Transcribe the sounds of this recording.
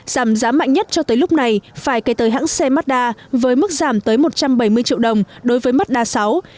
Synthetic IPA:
z̥aː˧˩mzaː˨˦ma̰ː˧˨ŋ̟ɲə˦˥t̚t͡ɕɔ˧t̪əː˨˦jlʊ˦˥k͡p̚na˨˩jfaː˧˩jkə˨˦jt̪əː˨˦jɦa̰ː˧˥ŋsɛ˧ma˦˥t̚ɗaː˧vəː˨˦jmɨ˦˥k̚zaː˧˩mt̪əː˨˦jmo˨˩t̚t͡ɕa˧mɓa˧˩jmɨ˧əjt͡ɕḭ˧˨wɗə˨˩wŋ͡mɗo˨˦jvəː˨˦jma˦˥t̚ɗaː˧sa˨˦w

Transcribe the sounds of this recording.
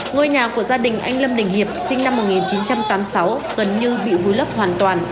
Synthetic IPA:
ŋə˧jɲaː˨˩ku˧˩əzaː˧ɗï˨˩ŋ̟ʔa˧jŋ̟lə˧mɗï˨˩ŋ̟hi˨˩əp̚sï˧ŋna˧mːo˨˩t̚ŋi˨˩nt͡ɕi˨˦nt͡ɕa˧mt̪aː˨˦msa˨˦wɣə˨˩nɲɨ˧ɓḭ˧˨vu˨˦jlə˦˥p̚hwaː˨˩nt̪waː˨˩n

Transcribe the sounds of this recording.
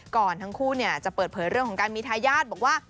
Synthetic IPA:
kɔː˨˩nt̪ʰa˦˥ŋkʰuː˥˩ni˥˩ɐt͡ɕa˨˩pɤː˨˩t̪̚pʰɤː˩˦jɾɯ˥˩əŋʰɔː˩˦ŋkaː˧nmiː˧t̪ʰaː˧jaː˥˩t̪̚bɔː˨˩k̚waː˥˩

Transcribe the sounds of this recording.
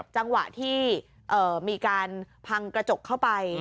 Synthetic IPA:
p̚t͡ɕa˧ŋwa̰˨˩ʔt̪ʰiː˥˩ | ʔɤː˨˩miː˧kaː˧npʰa˧ŋkɾa˧t͡ɕo˨˩kʰːa˥˩wpa˧j

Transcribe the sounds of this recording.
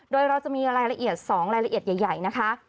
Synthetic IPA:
doː˧jɾa˧wt͡ɕa˨˩ʔmiː˧ɾaː˧jla˧ʔi˨˩ət̪̚sɔː˩˦ŋɾaː˧jla˧ʔi˨˩ət̪ja˨˩jːa˨˩jna˦˥kʰa˦˥

